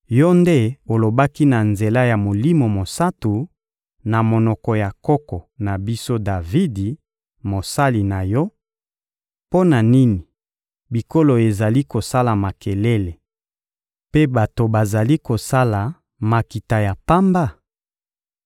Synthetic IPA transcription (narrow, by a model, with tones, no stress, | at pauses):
jɔ˦nde˦o˨lo˨ba˦ki˦na˨nze˨la˦ja˨mo˨li˦mo˨mo˨sa˦tu˨ | na˨mo˨nɔ˨kɔ˨ja˨kɔ˦kɔ˨na˨bi˦so˦da˨vi˦di˨ | mo˨sa˦li˨na˨jɔ˦ | po˦na˨ni˦ni˨ | bi˨ko˦lo˨e˨za˨li˦ko˨sa˦la˨ma˨ke˨le˦le˨ | pe˦ba˨to˨ba˨za˨li˦ko˨sa˦la˨ | ma˨ki˨ta˨ja˨pa˦mba˦˨